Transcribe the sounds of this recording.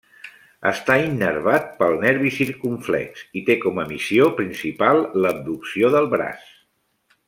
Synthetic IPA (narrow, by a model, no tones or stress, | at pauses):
ə̰st̪ainːəɾβat̪̚pəlˠnɛɾβisiɾkuɱflɛ̰ksit̪ekɔməmisiopɾinsipalˠləb̚d̪uksioðəlˠβɾa̰s